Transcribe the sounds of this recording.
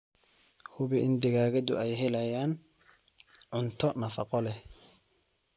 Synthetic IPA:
hʊβɪʔɪnd̪ɪɣaːɣɐd̪ʊ̰ɛjɦɛlɐjaːn | ʕʊnt̪ʰɔnɐfɑqɔlɛ

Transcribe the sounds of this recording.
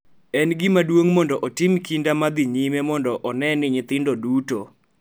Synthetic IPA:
ɛnɡɪmadwoŋmɔndɔʔɔtɪmkindamad̪ɪɲimemɔndɔʔɔnɛnɪɲɪt̪ɪndɔduto

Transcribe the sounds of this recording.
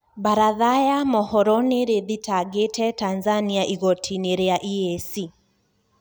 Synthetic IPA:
baɾaðajamɔhɔɾɔneɾeðitʰaɡetɛtanzaniaʔiɣɔtʰineɾeaʔiesi

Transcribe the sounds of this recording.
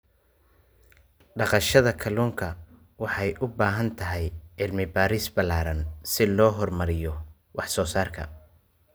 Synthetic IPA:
ɖɑqɑʃɐðɐkʰɐluːŋkʰɐ | wɑħɑjʔʊbaːɦɐnt̪ʰɐɦɛjʕɪlmɪbaːɾisbɐlaːɾɐnsɪlɔːɦɔrmɐɾɪjɔ | wɑħsɔːsaːrkʰɐ̰

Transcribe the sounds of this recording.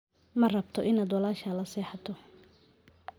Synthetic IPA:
mɐrɐbt̪ʰɔʔɪnaːd̪wɐlaːʃɐlɐsɛːħɑt̪ʰɔ

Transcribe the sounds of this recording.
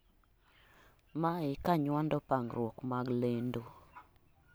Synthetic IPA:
maɪkaɲwandɔpaŋɾwɔkmaɡlendo

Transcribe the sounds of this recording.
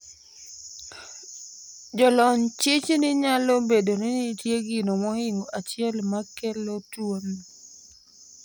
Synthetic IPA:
d͡ʒɔlɔɲt͡ʃɪt͡ʃnɪɲalobedonɪnɪtjeɡɪnomɔhɪŋoʔat͡ʃɪɛlmakɛlotwon

